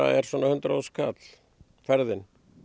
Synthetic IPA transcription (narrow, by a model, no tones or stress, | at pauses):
a̰ɛɾ̥swɔːnahʏnt̪ɾaːwskʰat̪l̥ | fɛɾðɪn